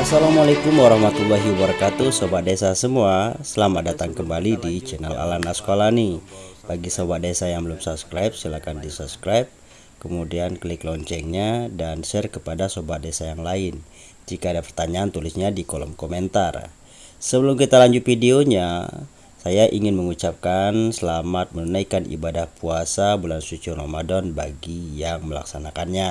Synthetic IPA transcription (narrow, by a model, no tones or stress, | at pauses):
asalamualekʊmwaɾahmat̪ulːaɦibəɾakat̪usobadesasəmuasəlamadat̪aŋkəmbalidit͡ʃɛnɛla̰lanaskalanibaɡisobadesajaŋbəlumsupskɾajp̚silakandisupskɾajp̚ | kəmudianklɪklɔɲt͡ʃɛŋɲadanʃɛrkəpadasobadesajaŋlaɪn | d͡ʒikaːdapərt̪aɲaːnt̪ulɪsɲadikolɔ̰mkomɛnt̪ar | səbəlʊmkit̪alaɲd͡ʒut̪̚fideoɲa | sajaʔiŋɪnməŋut͡ʃap̚kansəlamat̪̚mənunaikanʔḭbadahpuasabulansut͡ʃuromadɔnbaɡijaŋməla̰ksanakanɲa